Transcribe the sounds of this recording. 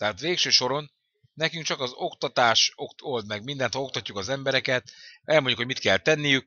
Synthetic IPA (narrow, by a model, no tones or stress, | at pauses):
t̪ɛɦaːt̪ʋeːkʃøːʃo̞ɾo̞n | nɛkyŋk̚t͡ʃɒkɒzo̞kt̪ɒt̪aːʃokt̪o̞ld̪mɛɡmind̪ɛnhɒlo̞kt̪ɒcːukɒzɛmbɛɾɛkɛt̪̚ɛlmoɲɟːukhoɟmit̪kɛlt̪ɛnːijyk̚